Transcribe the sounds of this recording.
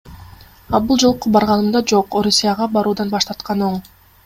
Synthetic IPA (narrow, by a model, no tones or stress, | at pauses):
ɑlˠbulˠd͡ʒo̞lˠqːobɑɾʁɑnɯmd̪ɑd͡ʒo̞qoɾusʲijaʁɑbɑɾuːd̪ɑnbɑʃt̪ɑɾt̪qɑno̞ɴ